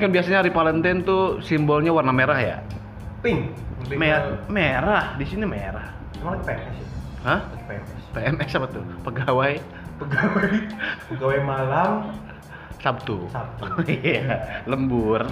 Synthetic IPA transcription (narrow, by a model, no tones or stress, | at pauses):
kanbiasaɲaaɾipalɛnt̪ɛnt̪usimbɔlɲawarnameɾahja̰ | pɪŋ | memeɾahdisinimeɾah | malakpeɛmɛsit̪u | həh | peɛmɛspeɛmɛsapat̪upəɡawaj | pəɡawajəɡawajmalam | sap̚t̪ṵsap̚t̪uialəmbur